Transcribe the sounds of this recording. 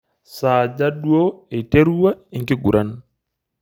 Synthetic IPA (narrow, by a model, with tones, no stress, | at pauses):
saː˨d͡ʒa˦ɗwo˦e˨te˦ɾu˦wa˦i˨ŋki˦ɡṵ˨ɾʔa˦na